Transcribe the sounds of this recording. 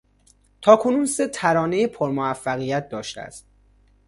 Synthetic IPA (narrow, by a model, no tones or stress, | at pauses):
t̪ʰɒːkʰo̞nuːnse̞t̪ʰæɾɒːne̞jepʰoɾmoæfːæɣijæt̪̚d̪ɒːʃt̪ḛæ̰st̪̚